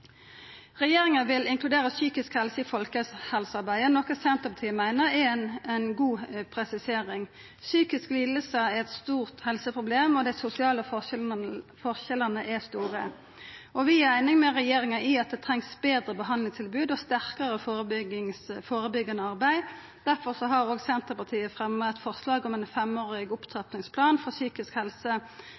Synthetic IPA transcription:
ʁɛjeːɾɪŋɑʋɪlɪŋkʰlʉd̪eːɾəsyːkɪskhɛlsəɪfɔlkəhɛlsəɑɾbæɪənɔkːəsɛnt̪ɔpɑt̪ʰiːmæɪnəɾɛnɛnɡuːpʰɾɛsɪseːʁɪŋ | syːkɪskliːd̪əl̩səæɾɛt̪st̪uːʁt̪hɛlsəpʰʁʊbleːmɔd̪æɪsʊsɪɑːləfɔ | fɔʁçɛlənəʔɛst̪uːʁə̰ | ɔʋɪæɪnɪŋmɛʁɛjeːɾɪŋɑɪɑt̪̚d̪ɛt̪ʰʁɛŋsbeːd̪ɾəbəɦɑnlɪŋst̪ʰɪlbʉːd̪ɔst̪æʁkəɾəəŋfoːɾəbʏɡːɑnəɑʁbæɪ | d̪̥æʁfɔʁsɔɦɑɾoːɡsɛnt̪əʁpɑʁt̪ʰiːəfʁɛmːət̪fɔʁslɑːɡɔmɛnfɛmoːʁɪɡʊpt̪ʰʁɑt̪nɪŋspʰlɑːnfɔʁsyːkɪskhɛlsə

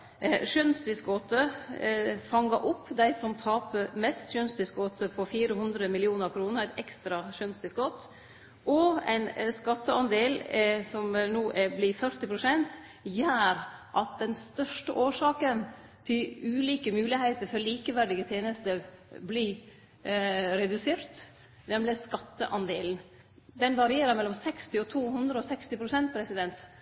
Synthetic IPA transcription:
ʃœnst̪ɪskɔt̪ə | fɑŋːəʔʊpːd̪æɪsɔmt̪ʰɑːpəmɛst̪ʃœnsd̪ɪskɔt̪əpʰɔfiːɾəhʉnd̪ɾəmɪlɪuːnəɾkʰɾuːnəɾæɪt̪ɛkst̪ɾɑʃœnst̪ɪskɔt̪ | ʔɔæ̰ɪnskɑt̪ːəɑnd̪eːlsɔmnoːʔæblɪfœɾt̪ɪpʰɾʊsɛnt̪ | jæːɾʔɑt̪̚d̪ɛnst̪œʂʈəʔoːʂɑːkən | t̪ʰɪlʉːliːkəmʉːlɪheɪt̪əɾfɔɾliːkəʋæɖɪɡət̪ʰjeːnəst̪əɾbli | ɾɛd̪ʉseːɾt̪ | nɛmlɪskɑt̪ːəʔɑnd̪eːln̩ | d̪ɛnʋɑɾɪeːɾəɾmɛlːɔmsɛkst̪ɪɔt̪ʰuːhʉnd̪ɾəɔsɛkst̪ɪpʰɾʊsɛnt̪̚pʰɾɛsɪd̪ɛnt̪

